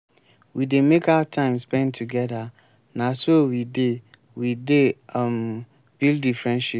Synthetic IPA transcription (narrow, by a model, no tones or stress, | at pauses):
widemekʰawatʰãɪ̃mspɛ̃ntʰuɡɛda | nãsowide | widem | b̥ilddifɹɛ̃nʃip